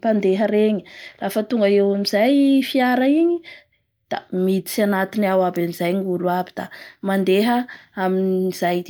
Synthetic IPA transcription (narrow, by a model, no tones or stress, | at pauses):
pand̪eɦəɾeɲi̥rafət̪uŋɡaewamizajfiaɾəiɲi | d̪̥a̰mit̪i̥t͡sanat̪inawabanizajŋuluabid̪̥a̰mand̪eɦəaminiz̥ajd̪